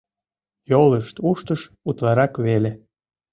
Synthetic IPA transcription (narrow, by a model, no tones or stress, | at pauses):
joləʃt̪uʃt̪əʃ | ut̪lɑɾɑkβele